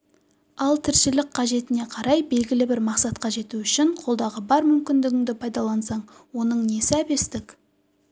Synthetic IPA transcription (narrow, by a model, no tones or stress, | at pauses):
ɑlˠt̪ʰɪɾʃɪlɪkqʰɑʒe̞t̪ɪne̞qʰɑɾɑjbe̞lɡʲɪlɪbɪɾmɑqsɑt̪̚qɑʒe̞t̪uʏʃɪɴqʰo̞lˠd̪ɑʁəbɑɾmʏmkʲɪnd̪ɪɡʲɪŋd̪ɪpʰɑjd̪ɑlˠɑnsɑɴwo̞nəɴnesɪæbe̞st̪ɪkʲ